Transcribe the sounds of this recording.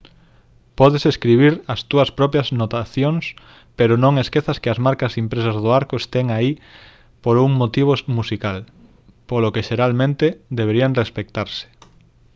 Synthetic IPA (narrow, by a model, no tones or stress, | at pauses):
pɔðeseskɾiβ̞iɾɐst̪uɐspɾɔpjɐznot̪aθjoŋs | peɾʊnõŋeskeθɐskɪɐzmaɾkɐsimpɾesazðoaɾkʊest̪eŋai | poɾuŋmot̪iβ̞omusikal | polokeʃeɾalmẽnt̪ed̪eβeɾiaŋrespekt̪aɾsɪ̥